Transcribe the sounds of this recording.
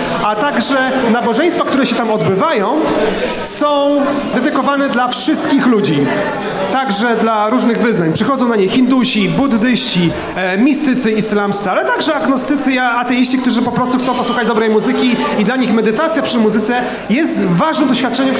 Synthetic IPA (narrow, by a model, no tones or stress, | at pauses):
at̪aɡʐɛnabɔʐɛj̃st̪fakt̪uɾɛɕɛt̪amɔd̪bɘvajɔ̃w̃ | sɔ̃w̃ | d̪ɛd̪ɘkɔvanɛd̪lafʂɘst̪kʲixlud͡ʑi | t̪aɡʐɛd̪laɾuʐnɘɣvɘznaɲpʂɘxɔd̪zɔ̃w̃naɲejxʲind̪uɕibud̪ːɘɕt͡ɕi | mʲist̪ɘt̪sɘislamssɛalɛt̪aɡʐɛaɡnɔst̪ɘt̪sɨaat̪ɛjiɕt͡ɕik̚t̪uʐɘpɔpɾɔst̪uxt̪sɔ̃w̃pɔswuxad͡ʑd̪ɔbɾɛjmuzɘkʲiid̪laɲixmɛd̪ɘt̪at̪sʲjapʂɘmuzɘt̪sɛ | jɛst̪vaʐnɨmd̪ɔɕfʲjat̪̚t͡ʂɛɲɛ